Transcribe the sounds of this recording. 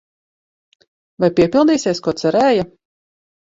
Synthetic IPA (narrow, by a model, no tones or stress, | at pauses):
vajpʲiɛpʲilˠd̪iːsiɛskuɔt̪sɛɾɛːja